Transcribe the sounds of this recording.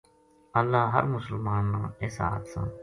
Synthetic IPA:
əlːaːɦə̰ɾmʊsəlmaːnːãːeːsa̰ːət̪sã̰ː

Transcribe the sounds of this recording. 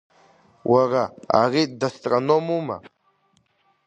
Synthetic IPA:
wʔaɾaa̰ɾid̪ast̪ʼɾanomuma̰

